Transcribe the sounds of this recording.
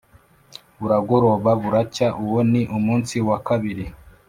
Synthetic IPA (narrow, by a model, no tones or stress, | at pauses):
βuɾaɡo̞ɾo̞βaβuɾacaʔuwoniʔumuːnsiwakaβiɾi